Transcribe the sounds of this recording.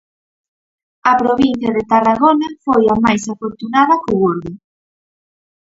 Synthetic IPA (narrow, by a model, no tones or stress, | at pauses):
ɐpɾoβin̟θjɐðet̪araɣonafojamajsafoɾt̪unaðɐkʊɣoɾðʊ